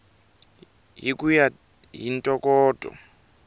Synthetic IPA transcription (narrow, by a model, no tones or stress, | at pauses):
ɦikuja | ɦintʼɔkʼɔːtʼɔ̰